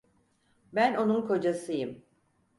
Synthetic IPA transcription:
bæno̞nunkʰo̞d͡ʒasɯjɯm

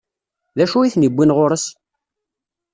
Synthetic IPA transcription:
ðæʃujiθnibːinʁʊɾəs

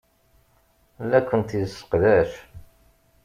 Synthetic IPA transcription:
lːækʷːənt̪isːə̥qðæʃ

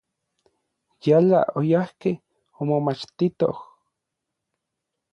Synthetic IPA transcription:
jala̰ʔojahkeh | omomat͡ʃt̪it̪o̰h

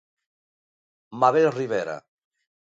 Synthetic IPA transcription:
maβelriβeɾa̰

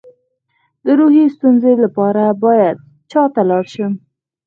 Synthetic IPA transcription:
d̪̥əɾuɦist̪unzelapɑɾabɑjad̪̚ | t͡ʃɑt̪alɑɽʃi

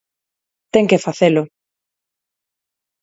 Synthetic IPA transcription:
t̪eŋkefaθelʊ

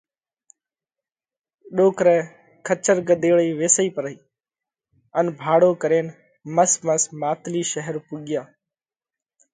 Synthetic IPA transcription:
ɗoːkɾɛ̃ː | kʰət͡ʃəɾɡəɗ̪eːɭiːʋeːsiːpəɾəiː | ənbʱaːɽoːkəɾeːn | məsməsmaːt̪liːʃəɦəɾpuːɠɪjãː

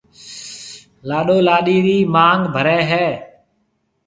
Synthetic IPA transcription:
laːɗoːlaːɗiːɾiːmaːŋɡbʱəɾɛːɦɛː

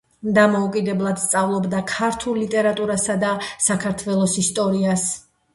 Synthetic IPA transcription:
d̪amɔukʼid̪ɛblˠad̪̥st̪sʼavlˠɔbd̪akʰaɾt̪ʰulˠlit̪ʼɛɾat̪ʼuɾasad̪asakʰaɾt̪ʰvɛlˠɔsist̪ʼɔɾias

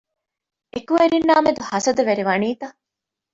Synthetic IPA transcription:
ekuʋeɾinːaːmed̪uhɐsɐd̪ɐʋeɾiʋɐniːt̪ɐ

